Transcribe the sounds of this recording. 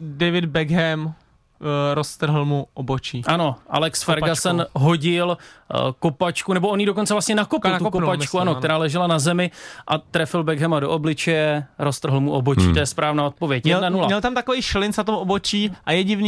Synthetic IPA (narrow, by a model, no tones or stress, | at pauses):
dɛjvɪdbɛɡɦɛm | ɾost̪r̩ɦl̩muʔobot͡ʃiːʔano̞ʔa̰lɛksfɛɾɡasɛnɦo̞ɟɪlkopat͡ʃkunɛboʔonjiːdo̞ko̞nt͡sɛvlast̪ɲɛnakopɪlukopat͡ʃkkuanokt̪ɛɾaːlɛʒɛlanazɛmɪʔat̪ɾɛfɪlbɛɡɦɛmadoʔoblɪt͡ʃɛjɛɾost̪r̩ɦl̩muʔobo̞t͡ʃḭːt̪ojɛspɾaːvnaːot̪̚po̞vjɛcjɛɛnanulaɲɛlt̪amt̪akovijʃlɪnsnat̪omʔobot͡ʃiːʔajɛɟɪvnː